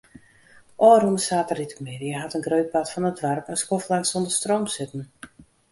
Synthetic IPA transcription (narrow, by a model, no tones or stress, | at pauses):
ʔɔːɾunəsaːtəritəkmɪdiəɦatənɡrøɥt̚patfɔnədʋarpənskoflaŋsondəstroːmsɪtən̩